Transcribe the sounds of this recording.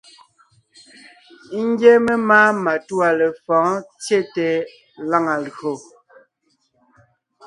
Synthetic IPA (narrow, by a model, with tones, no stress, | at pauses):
ŋ˦ɡɛ˦me˦maː˦ma˨tu˦a˨le˨fɔ̃ː˨˦t͡sje˦˨tɛ˨˦ | la˦ŋa˨lo˨